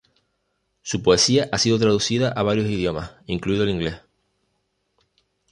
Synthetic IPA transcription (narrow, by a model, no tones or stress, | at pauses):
supoe̞siaʔasiðot̪ɾaðusiðaʔaβ̞aɾjosiðjo̞mahiŋkluiðoliŋɡle̞h